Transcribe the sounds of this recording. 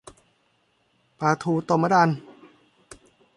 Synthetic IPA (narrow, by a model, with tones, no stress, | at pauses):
paː˧t̪ʰuː˧t̪o˧mːa˦da˧n